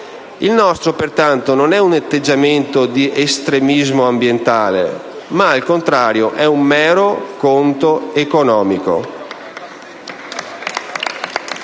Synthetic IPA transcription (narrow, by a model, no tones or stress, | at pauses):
ilnɔst̪ɾopert̪ant̪ononɛunat̪ːed͡ʒːament̪od̪iʔest̪ɾemizmoambjent̪aːlḛ | maːlkont̪ɾaːɾjoʔɛummɛːɾokont̪oekonɔːmiko̰